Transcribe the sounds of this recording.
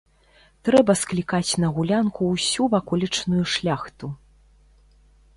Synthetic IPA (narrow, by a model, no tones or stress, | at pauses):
t̪ɾɛbɐsklʲikat͡sʲnɐɣulʲankuwsʲuvakɔlʲit͡ʂnujuʂlʲaxt̪u